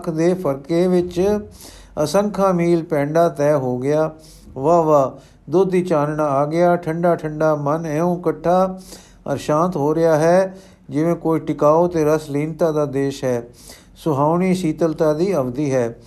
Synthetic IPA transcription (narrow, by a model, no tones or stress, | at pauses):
kʰd̪eːpʰəɾkeːʋɪt͡ʃ | əsəŋkʰãːmiːlpɛ̃ːɳɖaːt̪ɛːɦoːɡɪjaː | ʋaːʋaː | d̪ʊd̪ːiːt͡ʃaːnɳaːaːɡɪaːʈʰəɳɖaːʈʰəɳɖaːmənɛːõːkəʈʰːaː | ə̰ɾʃãːnt̪ɦoːɾɪjaːɦɛː | d͡ʒɪʋẽːkoːiːʈɪkaːoːt̪eːɾəsliːnt̪aːd̪aːd̪eːʃɦɛː | sʊɦaːʊɳiːʃiːt̪əlt̪aːd̪iːəbd̪iːɦɛː